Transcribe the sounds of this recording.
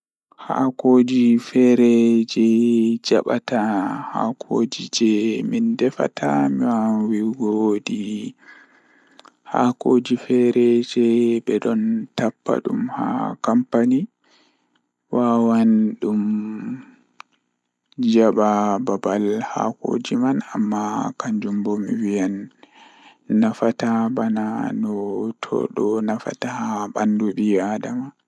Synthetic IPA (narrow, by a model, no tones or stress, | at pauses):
ha̰koːd͡ʒifɛɾɛd͡ʒɛd͡ʒa̰ɓataha̰kʰoːd͡ʒid͡ʒɛmindɛfa̰tʰamiwanwiɡodi | ha̰kod͡ʒifɛɾɛd͡ʒɛbɛɗɔntapːa̰ɗumha̰kampani | wawanɗum | d͡ʒaɓababalha̰ko̰ːd͡ʒimana̰mːakaɲd͡ʒumbomiwijan | afatabananɔtʰɔ̰ɗɔnafa̰tahabanduɗiadama